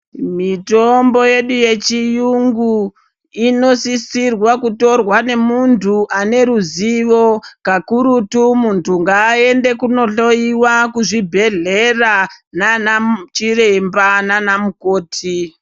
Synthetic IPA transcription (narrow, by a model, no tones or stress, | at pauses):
mitombo̞je̞ɗuje̞t͡ʃijuŋɡu | ino̞sisirwakuto̞rwane̞muntʰuʔane̞ɾuziʋo̞kakuɾutumuntʰuŋɡaːe̞nde̞kuno̞ɬo̞iwakuʐibʱe̞ɮe̞rananat͡ʃirembananamukoːtʰi